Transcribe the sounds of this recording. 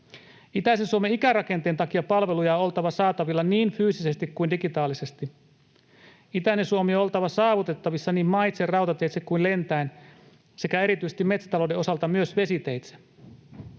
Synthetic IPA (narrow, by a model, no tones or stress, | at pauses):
it̪æsensuomeikærɑke̞nt̪eːnt̪ɑkiɑpɑlʋe̞lujɑo̞lt̪ɑʋɑsɑːt̪ɑʋilːɑniːnfyːsise̞st̪ikkuindikit̪ɑːlːise̞st̪i | it̪ænːesuomioolt̪ɑʋɑsɑːʋut̪e̞t̪ːɑʋisːɑniːmmɑjt̪serɑwt̪ɑt̪e̞jt̪sekuinlent̪æin | se̞kæe̞ɾit̪ysest̪imːe̞t̪si̥t̪ɑlodeo̞sɑlt̪ɑmyøsʋe̞sit̪ejt̪se̥